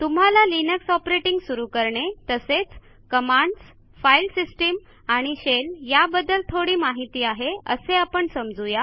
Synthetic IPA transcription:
t̪um̤ɦalalinəksɔpɾeʈiŋɡsuɾukəɾɳet̪əset͡s | kəmaɳɖs | failsisʈim | aɽ̃iɕeljabəd̪əlt̪ʰoɽiːmaɦit̪iːaɦeə̰seapəɳsəmd͡zuja

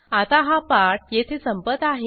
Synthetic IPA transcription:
at̪aɦapaʈ̚jet̪ʰesəmpət̪aɦe

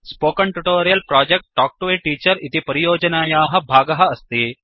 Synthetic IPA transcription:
spoːkɐɳʈuʈoːɾijɐlpɾaːd͡ʒek̚ʈ̚ːaːk̚ʈʋeːʈiːt͡ʃɐɾit̪ipɐɾijoːd͡ʒɐnaːjaːɦɐ̆bʱaːɡɐɦɐ̆ɐst̪i

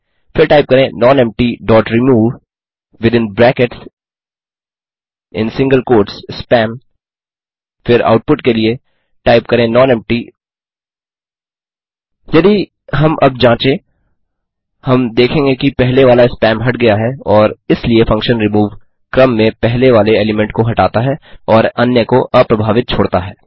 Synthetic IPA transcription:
fɪɾʈaːɪp̚kɐɾẽnɔːnɛ̃ːmp̚ʈiɖɔːʈɾɪmuːʋ | ʋɪd̪ɪ̃nbɾɛːkɪʈs | ɪ̰̃nsɪ̃ŋɡəlkoːɾʈsspɛ̃ːm | fɪɾa̰ːʊʈ̚pʊʈkelie | ʈaːɪpkɐɾẽnɔ̃ːnɛ̃ːmʈi | jɐd̪i | ɦɐmʔɐb̚d͡ʒãːt͡ʃẽ | hɐmd̪eːkʰẽːŋɡekipɛɦleʋaːlaɪspɛːmɦɐʈ̚ɡɐjaɦɛɔːɾɪsliefɐ̃ŋkʃə̃nɾɪmuːʋ | kɾɐ̃mːẽpɛɦleʋaːleeːlɪmɛ̃ɳʈ̚koɦɐʈaːt̪aɦɛɔːɾɐnjəkoʔɐpɾɐbʱaːʋɪt̪̚t͡ʃʰoːɽt̪aɦɛː

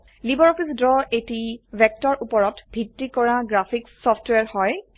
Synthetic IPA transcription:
libɔɹɔpʰisdɹɔetibʱɛk̚tɔɹʔupɔɹɔtbʱitːikɔɹaɡɹapʰiksɔftweaɹhɔj

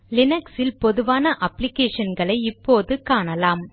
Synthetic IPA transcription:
lɪnɐksɪlpɔðɯʋaːnɐʔɐpːlɪkeːʂɐnɡɐɭɐɪɪpːoːðɯkaːɳɐlaːm

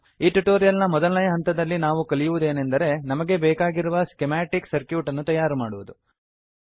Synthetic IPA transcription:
iːʈuʈoːɾijɐlnɐmɔd̪ɐlnɐjɐɦɐnt̪ɐd̪ɐlːinaːʋukɐlijuʋud̪e̞ːnend̪ɐɾe̞nɐmɐɡe̞bɛːkaːɡiɾuʋɐskemaːʈiksɐɾkjuːʈɐnːut̪ɐjaːɾumaːɽuʋud̪u

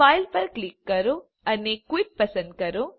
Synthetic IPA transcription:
aːjlpɐɾklikːɐɾu | ɐnːekʋiʈ̚pɐsɐnɖ̪kɐɾu

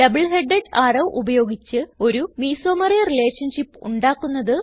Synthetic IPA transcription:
ɖɐbɐɭɦeɖeɖaːrɐʋʔubɐjo̞ːɡit͡ɕːɨo̞ɾumiːso̞ːmɐrijɐrile̞ːʈʂɐnɕipːṵɳɖaːkːunːɐðɨ

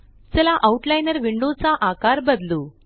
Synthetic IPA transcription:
t͡sɛlaʔauʈlajnəɾʋiɳɖot͡saʔakaɾbəd̪luː

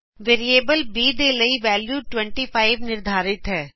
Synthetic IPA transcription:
ʋeːɾieːbəlbiːd̪eːləiːʋɛːljuːʈwɛ̃ɳʈiːpʰaːɪʋnɪɾd̪ʱaːɾɪt̪ɦɛː

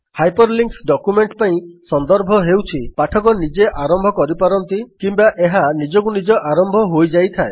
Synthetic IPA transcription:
hajpɔɾliŋksɖɔkumeɳʈpaĩsɔnd̪ɔɾbʱɔɦewt͡ʃʰipaʈʰɔkɔnid͡ʒeʔaɾɔmbʱɔkɔɾipaɾɔnt̪ikimbaʔeɦanid͡ʒɔk̬unid͡ʒɔʔaɾɔmbʱɔɦojd͡ʒajt̪ʰae

